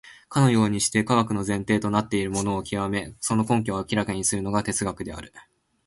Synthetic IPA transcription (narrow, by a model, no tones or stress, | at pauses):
kano̞jo̞ːɲ̟iɕi̥t̪e̞kaɡakɯ̟no̞zẽ̞nt̪e̞ːt̪o̞nat̪ːe̞iɾɯ̟mo̞no̞ːkʲiβame̞so̞no̞kõ̞ŋkʲoakʲiɾakaɲ̟isɨɾɯ̟no̞ɡat̪e̞t͡sɨɡakɯ̟d̪e̞a̰ɾɯ̟